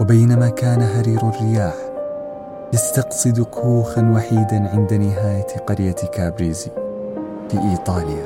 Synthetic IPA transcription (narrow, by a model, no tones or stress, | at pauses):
wabajnamakaːnaɦaɾiːɾarːɪjaːħ | jast̪ɑqsˤɨd̪kʰuːxanwaħiːd̪anʕɪnd̪anɪɦaːjaqɑɾjakaːbɾiːzi | fiːʔiːt̪ˤɑːlɪja